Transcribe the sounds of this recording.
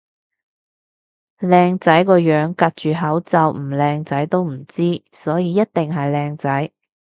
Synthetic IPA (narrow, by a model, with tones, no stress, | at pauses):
lɛː˧ŋt͡sɐ˨˥jkɔː˧jœː˨˥ŋkɐ˨˧t̚t͡ʃyː˨ɦɐ˨˥wt͡sɐ˨wm̩˨˩lɛː˧ŋt͡sɐ˨˥jt̪o˥wm̩˨˩t͡siː˥ | sɔː˨˥jiː˨˧jɐ˥t̚t̪ɪ˨ŋɦɐ˨jlɛː˧ŋt͡sɐ˨˥j